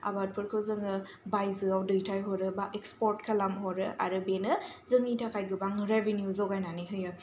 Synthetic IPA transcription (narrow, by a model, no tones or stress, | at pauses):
a̰bat̚pʰɯɾkʰɯzɯŋɯ | bajzɯawdɯjtʰajɦɔɾɯbaʔekspɔɾtkʰalamɦɔɾɯʔa̰ɾɯbenɯzɯŋitʰakʰajɡɯbaŋɾevenjuzɔɡajnaniɦɯja